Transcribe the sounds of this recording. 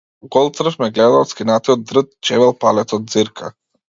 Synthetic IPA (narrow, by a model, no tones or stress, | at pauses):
ɡɔlˠt̪sɾəfmɛɡlɛd̪aɔt̪skʲinat̪iɔd̪̚d̪ɾət̪̚t͡ʃɛvɛlˠpalɛt̪sɔd̪̚ziɾkʰa̰